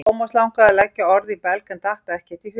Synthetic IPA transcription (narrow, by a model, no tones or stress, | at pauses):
wmaslawŋkaðɛlɛcːaɔɾðipɛlkɛnt̪aht̪aɛhcɛt̪iθ